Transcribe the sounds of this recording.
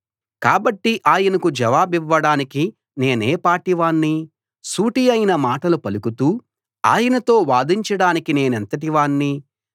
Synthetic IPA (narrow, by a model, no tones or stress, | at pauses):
kaːbɐʈːiʔaːjɐnɐkud͡ʒɐʋaːbiʋːɐɽaːniki | ne̞ːneːpaːʈiʋaːnːi | suːʈijɐjinɐmaːʈɐlupɐlukut̪uː | a̰ːjɐnɐt̪o̞ːʋaːd̪iɲt͡ʃɐɽaːnikine̞ːnɐnt̪ɐʈ̬iʋaːɳːi